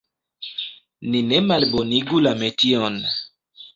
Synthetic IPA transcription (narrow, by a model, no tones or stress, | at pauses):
ninɛmalboniɡulamɛtiɔn